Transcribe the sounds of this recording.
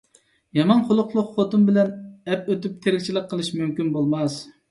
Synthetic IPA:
jɑmɑnqʰʊlˠʊqlˠʊqχot̪umbɪlɛnɛpøt̪yp̚t̪ʰeɾɪkʲt͡ʃʰilˠɪqqʰːəlˠɨʃmymkʲynbolˠmɑs

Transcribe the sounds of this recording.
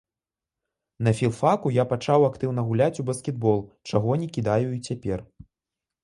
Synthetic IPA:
nɐfʲilˠfakujapat͡ʂawakt̪ɨwnɐɣulʲat͡sʲubɐskʲɛd̪̚bɔlˠt͡ʂaɣɔnʲɛkʲid̪ajuit͡sʲapʲɛr

